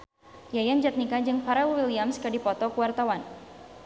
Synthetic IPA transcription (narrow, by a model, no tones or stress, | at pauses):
jajand͡ʒat̪̚nikad͡ʒɨŋfaɾawiliamskadipɔt̪ɔkəwart̪awan